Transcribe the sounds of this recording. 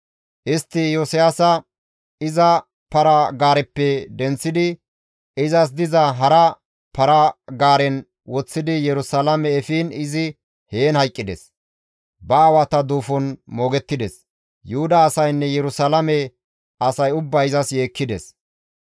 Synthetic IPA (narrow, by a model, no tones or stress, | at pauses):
ʔɪst̪ːɪjosɪjaːsɐ | ɪzɐ | pɐɾɐɡaːɾɛpːɛd̪ɛnt͡sːɪd̪ɪ | ɪzɐs̬d̪ɪzɐɦɐɾɐ | pɐɾɐɡaːɾɛn | wɔt͡sːɪd̪ɪjɛɾʊsalɐmɛːfiːnɪzɪ | heːnhɐjkʼːɪd̪ɛ̰s | bɐːwɐt̪ɐd̪uːfɔnmo̞ːɡɛt̪ːɪd̪ɛs | jʊhʊd̪ɐːsɐjnːɛjɛɾʊsalɐmɛ | ɐsɐjʊbːɐjɪzɐsje̞ːkːɪd̪ɛs